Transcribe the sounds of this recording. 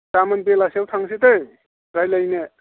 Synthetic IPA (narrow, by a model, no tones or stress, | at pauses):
tamanpelasiawtʰaŋsitɯj | ɾajlajne